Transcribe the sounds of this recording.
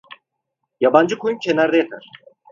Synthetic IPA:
jaband͡ʒɯkʰo̞jumcʰenæɾd̪ɛjat̪ʰa̰ɾ̥

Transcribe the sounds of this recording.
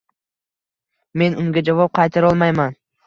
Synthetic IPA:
me̞nʊŋɡʲad͡ʒavɒp̚qʰɑjt̪ʰaɾɒlˠmajman

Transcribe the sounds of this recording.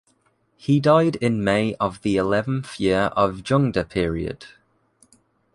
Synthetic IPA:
hidaɪdɪ̃nmeɪʔəvðiɪlɛvə̃nθjɪəɹʔəvd͡ʒʌ̃ŋdəpʰɪəɹiə̰d̥

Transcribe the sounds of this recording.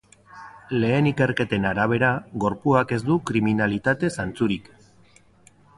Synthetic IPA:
le̞ːnike̞ɾke̞t̪e̞naɾaβ̞e̞ɾaɣo̞ɾpuake̞zd̪ukɾiminalit̪at̪e̞sant͡suɾik

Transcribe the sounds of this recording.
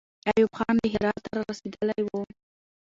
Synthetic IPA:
ajubxɑnləɦɪɾɑt̪ːaɾɑɾased̪əlajwu

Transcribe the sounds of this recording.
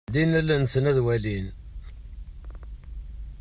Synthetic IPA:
dinælːænsənæðwælin

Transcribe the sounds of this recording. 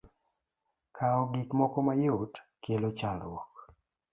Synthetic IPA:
kʰaɔɡikmɔkɔmajʊtkelot͡ʃalwɔk

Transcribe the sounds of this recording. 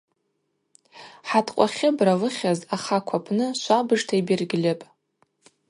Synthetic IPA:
ħatʰqʷʼaχʲɪbralɨχʲazaχakʷʰapʰnɨʃʷabɨʐtʰaibɪrɡʲɪlʲapʼ

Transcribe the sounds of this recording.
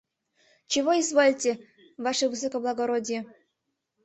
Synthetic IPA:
t͡ɕevoizvolʲtʲe | vaʂɨvɨs̬okoblˠaɡoɾodʲje

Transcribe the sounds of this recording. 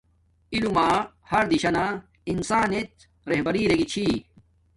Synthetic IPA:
ilumaː | hɐɾd̪iɕɐna | insaːnet̪̚ | ɾeɦbɐɾiːɾeɡit͡ɕʰiː

